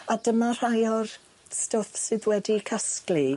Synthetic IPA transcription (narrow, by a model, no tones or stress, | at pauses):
adəmar̥ajɔr | stɔfsɨðwɛdikʰaskli